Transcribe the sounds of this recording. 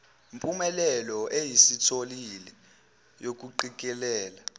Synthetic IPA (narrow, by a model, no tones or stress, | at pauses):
mpʼumɛlɛlɔʔejisitʰolilɛ | jok̬ʼuǃik̬ʼɛlɛːla